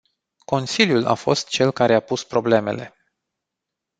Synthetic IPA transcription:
ko̞nsiljula̰fo̞st̪t͡ʃe̞lkaɾe̞apuspɾo̞ble̞me̞̰le̞̰

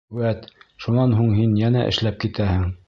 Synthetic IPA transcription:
wæt̪ʃunɑnɦuɴɦinjænæʔɘ̰̆ʃlæp̚kit̪æhɘŋ

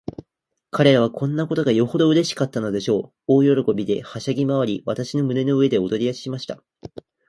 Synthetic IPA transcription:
kaɾe̞ɾaβ̞akʰõ̞nːako̞t̪o̞ɡajo̞ho̞d̪o̞ɯ̟ɾe̞ɕi̥kat̪ːano̞d̪e̞ɕo̞ː | oːjo̞ɾo̞ko̞bʲid̪e̞̰haɕaɡʲimaβ̞aɾʲiβat̪aɕino̞mɯ̟ne̞no̞ɯe̞d̪e̞o̞d̪o̞ɾʲiaɕi̥ɕimaɕi̥t̪a

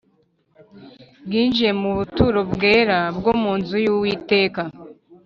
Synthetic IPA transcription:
bɡiːnd͡ʒije̞muβutuɾobɡe̞ːɾabɡomuːnzujuwiːte̞ːka

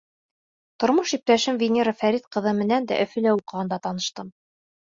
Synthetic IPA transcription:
t̪ŏɾmɤʃip̚t̪æʃɘmvʲɪnʲeɾɤfæɾit̪qɤ̆ðɤmɘ̆nænd̪æ̰ʔɵ̆fɘ̆læuqɤ̆ʁɤ̆nd̪ɑt̪ɑnɤ̆ʃt̪ɤm

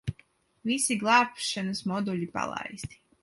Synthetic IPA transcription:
ʋisiɡlˠaːpʃɛnusmod̪uʎipa̰lˠa̰ːjist̪i̥

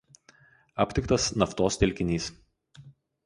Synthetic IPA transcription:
ɐ̰pʲt̪ʲɪkt̪ɐsnɐft̪oːst̪ʲɛlʲkʲɪnʲiːs

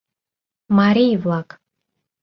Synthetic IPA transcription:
maɾijvlakʼ

